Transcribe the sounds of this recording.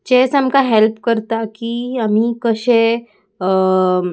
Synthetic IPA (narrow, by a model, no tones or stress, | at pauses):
t͡ʃɛːsəmkaɦelpkəɾt̪akiəm̤ikəʃe